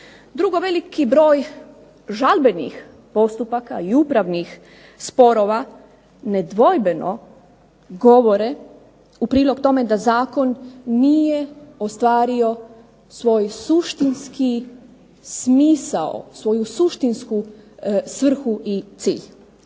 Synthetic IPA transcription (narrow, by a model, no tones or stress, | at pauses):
d̪ɾuɡo̞ʋe̞likibɾo̞ːj | ʒalˠbe̞nḭx | po̞st̪upakaiupɾaʋnix | spo̞ɾo̞ʋa | ned̪ʋo̞jbe̞no̰ | ɡo̞ʋo̞ɾe | upɾiːlˠo̞kt̪o̞me̞d̪azaːko̞nːijeost̪ʋaːɾio̞ | sʋo̞ːjsuʃt̪inski | smiːsao̰sʋo̞jusuʃt̪insku | sʋr̩xuʔit̪siːʎ